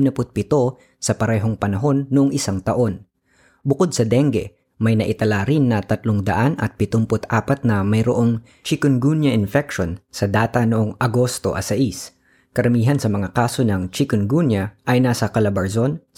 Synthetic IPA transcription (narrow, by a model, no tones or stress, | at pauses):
nɐpʊt̪̚pɪt̪o̞ | sɐpɐɾɛːɦo̞ŋpɐnɐɦo̞nːoʔoŋʔɪsaŋt̪ɐʔo̞n | bʊkod̪̚sɐd̪ɛŋɡɛ̰ | mɐjnɐʔɪt̪ɐlaɾɪnːɐt̪ɐt̪loŋd̪ɐʔanʔɐ̰t̪̚pɪt̪ompʊt̪ʔaːpɐt̪̚nɐmɐjɾo̰ʔo̞ŋ | t͡ʃɪkonɡunjɐʔɪnfɛk̚ʃonsɐd̪aːt̪ɐnoʔoŋʔɐɡo̞st̪o̞̰ʔɐ̰sɐʔis | kɐɾɐmiːɦɐnsɐmɐŋakaːso̞nɐŋt͡ʃɪkʊnɡunjɐʔɐjnaːsɐkɐlɐbɐɹzon